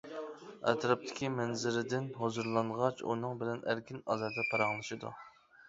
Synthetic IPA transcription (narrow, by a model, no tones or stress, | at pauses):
ɛ̰t̪ɾɑp̚t̪ʰɪ̥kʲʰimɛnzɪɾɪd̪ɪnɦozuɾlˠɑɴʁɑt͡ʃṵnɨŋbɪlɛnæɾkʲinɑ̰zɛɾd̪ɛpʰɑɾɑŋlˠɨʃɨd̪ṵ